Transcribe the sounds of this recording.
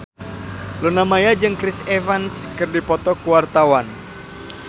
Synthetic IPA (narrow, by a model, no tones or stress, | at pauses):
lunamajad͡ʒɨŋkɾisevanskɨrdipɔt̪ɔkuwart̪awan